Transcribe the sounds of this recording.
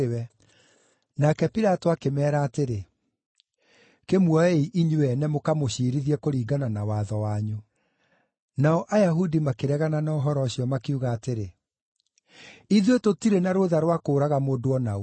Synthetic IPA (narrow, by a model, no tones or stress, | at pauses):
wɛ | nakɛpiɾatoakemɛːɾaːteɾe | kemwɔeiʔiɲuɛnɛmokamoɕiːɾiðiɛkoɾiːɡananawaðɔwaɲu | naɔʔajaɦudimakeɾɛɣananaɔɦɔɾɔɕiɔmakeuɣaːteɾe | iðwetotiɾenaɾoðaɾwakoːɾaɣamoːdoɔnau